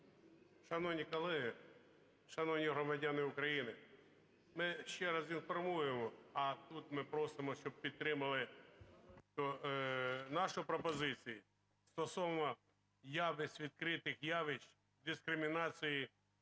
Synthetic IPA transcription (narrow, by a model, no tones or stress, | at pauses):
ʃɐnɔnʲikɐlˠɪɦɪ | ʃɐnɔʋnʲiɦɾɔmɐdʲɑnɪʊkɾɐjinɪ | mɪʃt͡ʃɛɾɐzinfɔrmujemɔɐt̪ut̪mɪpɾɔsɪmɔʃt͡ʃɔb̚pʲid̪̚t̪ɾɪmɐlˠɪ | t̪ɔ | nɑʃʊpɾɔpɔzɪt͡sʲiji | st̪ɔsɔʋnɔ | jɑʋɪsʲʋʲid̪̚kɾɪt̪ɪxjɑʋɪʃ | d̪ɪskɾɪmʲinɑt͡sʲiji